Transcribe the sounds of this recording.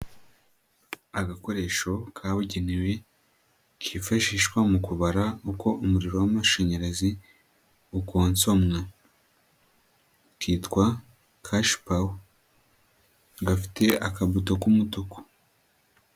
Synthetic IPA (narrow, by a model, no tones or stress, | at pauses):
aɡako̞ɾe̞ʃo̞kʰaβuɟeniwe̞ | kʰifaʃiːʃkwamukuβaɾauko̞ʔumuɾiɾo̞wamaʃeɲeɾazi | ukoːnso̞mŋa | kiːtkwa | kʰaʃpaw | ɡafi̥te̞akaβutokumutoko̥